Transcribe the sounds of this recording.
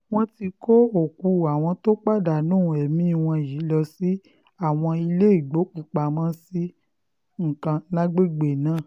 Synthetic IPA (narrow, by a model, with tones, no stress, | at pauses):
w̃ɔ̃˦ti˧ko˦o˨ku˧a˨w̃ɔ̃˧to˦k͡pa˦˨da˨nũː˦˨ɛ˨mĩ˦˧˨w̃ɔ̃˧˨ji˨˦lɔ˧si˦ | a˦˨w̃ɔ̃˧i˧le˦i˦˨ɡ͡bo˨˦ku˨k͡pa˨mã˦si˦ | ŋ̩˨kã˧nã˦ɡ͡be˦˨ɡ͡be˨nãː˦˨